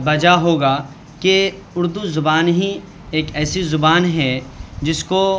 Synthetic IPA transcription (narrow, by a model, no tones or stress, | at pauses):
bɐd͡ʒaɦoːɡa | ke | ʊɾd̪uzʊbaːnɦĩ | eːkɛːsizʊbaːnɦɛd͡ʒɪsko